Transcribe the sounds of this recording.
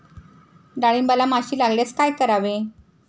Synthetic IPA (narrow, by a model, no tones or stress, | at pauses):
ɖaɭimbalamaɕiːlaɡljat͡skajkəɾaʋe